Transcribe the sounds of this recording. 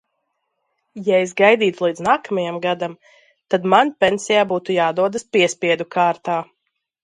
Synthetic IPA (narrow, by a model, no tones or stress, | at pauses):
jaesɡajd̪iːt̪ulˠiːd̪znaːkamajamɡad̪am | t̪ad̪manpʲensijaːbuːt̪ujaːd̪uɔd̪aspiɛspʲiɛd̪ukʰaːɾt̪aː